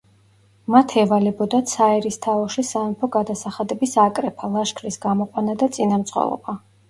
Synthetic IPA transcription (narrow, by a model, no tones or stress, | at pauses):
mat̪ʰɛvalɛbɔd̪at̪sʰaɛɾist̪ʰaɔʃisapʰɔɡad̪asaχad̪ɛbisakʼɾɛpʰalˠaʃkʰɾisɡamɔqʼwanad̪at̪sʼinamt̪sʼχwɛ̰lˠɔ̰ba